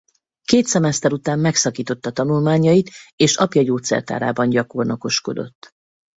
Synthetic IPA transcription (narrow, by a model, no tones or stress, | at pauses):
keːt̪sɛmɛst̪ɛɾut̪aːmːɛksɒkiːt̪o̞t̪ːɒt̪ɒnulmaːɲːɒjit̪eːʃɒpjɒɟoːt̪sɛ̰rt̪a̰ːɾa̰ːbɒnɟɒko̞rnoko̞ʃko̞̰d̪o̞̰t̪ː